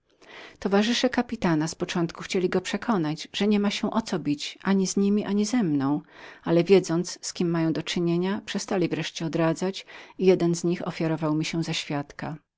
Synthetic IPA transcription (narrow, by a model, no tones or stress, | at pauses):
t̪ɔvaʐɨʂɛkapʲit̪anaspɔt͡ʂɔnt̪kuxt͡ɕelʲiɡɔpʂɛkʰɔnad͡ʑʐ̥ɛɲɛmaɕɛ̃ʔɔt̪sɔbʲit͡ɕʔaɲizɲimʲiʔaɲizɛmnɔ̃w̃alɛvʲjɛd̪zɔnt̪sskʲimːajɔ̃w̃d̪ɔt͡ʂɘɲeɲapʂɛst̪alʲivɾɛʂt͡ɕɛɔd̪ɾad̪zat͡ɕijɛd̪ɛnzɲixɔ̰fʲjaɾɔvawmʲiɕɛzaɕfʲjat̪ka